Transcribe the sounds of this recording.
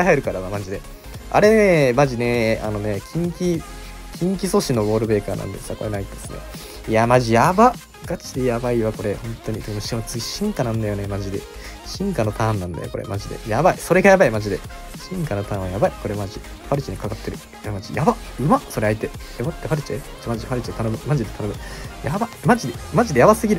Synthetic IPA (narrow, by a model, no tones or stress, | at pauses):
aiɦaeɾɯ̟kaɾamamaɲd͡ʑid̪e̞ | a̰ɾe̞nemaʑine̞a̰no̞ne̞kʲʰĩŋkʲi | kʲĩŋk̬ʲiso̞ɕino̞ɡo̞ːɾɯ̟be̞ːkaːnã̰nd̪esɨ̥akoɾenait̪ːo̥sɨnḛ | jamaʑijaba | ɡat͡ɕi̥d̪ejabaiβako̞ɾe̞hõ̞nt̪o̞ɲ̟it̪ekmɯɕomt͡sɨɡʲiɕĩŋkanãnd̪ajo̞nemaʑid̪e̞̰ | ɕĩŋkano̞t̪ãːnːãnd̪a̰joko̞ɾḛmʔaʑid̪e̞̰jabaiso̞ɾe̞ɡajabaimaʑid̪e̞̰ | ɕĩŋkano̞t̪ãːɰ̃βajabaiko̞ɾemaʑi | ɸaɾɯ̟t͡ɕinekakat̪ːe̞ɾɯ̟ | jamad͡ʑijaba | ɯ̟maso̞ɾeaet̪e̞jabat̪ːeɸaɾɯ̟t͡ɕie | maʑiɸaɾɯ̟t͡ɕit̪anomɯ̟maʑid̪et̪ʰano̞mɯ̟jabamad͡ʑid̪emaʑid̪e̞jabasɨɡʲiɾɯ